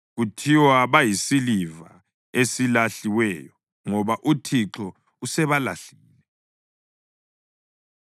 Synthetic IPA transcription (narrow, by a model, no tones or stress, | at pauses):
ɣutʰiwaβajisiliva̰ | esilaɬiwɛːjɔ | ŋɔβaʔutʰiǁɔ | usɛβalaɬiːlɛ